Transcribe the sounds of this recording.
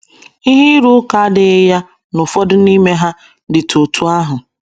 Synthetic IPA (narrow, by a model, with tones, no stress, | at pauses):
i˦ɦɪ˦ɾu˦ka˨a˦dɪ˨ɪ˦ja˦ | nʊ˨fɔ˦dʊ˦ni˦me˦ɦa˦ | dɪ˨to˨tʰu˦a˦ɦʊ˨